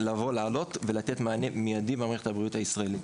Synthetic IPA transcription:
lavo̞laːlo̞tvelat̪etmaanemijadibeamʁeχethabʁijuthaisʁaelit

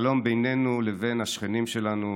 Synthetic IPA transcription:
lo̞mbejne̞nuleve̞nhaʃχenimʃe̞lanu

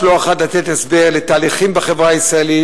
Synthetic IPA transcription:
loaχat̪lat̪et̪esbe̞ʁlet̪aːliχimbeχevʁaisʁaeli

